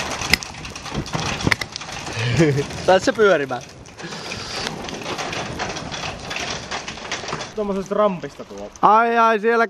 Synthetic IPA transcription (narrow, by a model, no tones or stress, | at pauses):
t̪ɑˑissepyørimæl | t̪omːosest̪rɑmpist̪ɑt̪uolɑiɑisielːæ